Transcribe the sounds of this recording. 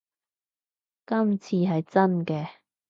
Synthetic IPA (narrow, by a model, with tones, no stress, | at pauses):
kɐ˥mt͡sʰiː˧ɦɐ˨jt͡sɐ˥nkɛː˧